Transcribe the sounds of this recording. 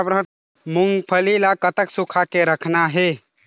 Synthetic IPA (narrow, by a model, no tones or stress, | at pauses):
apɾəɦ | muŋɡpʰəlilakət̪əksukʰakeɾəkʰnaɦe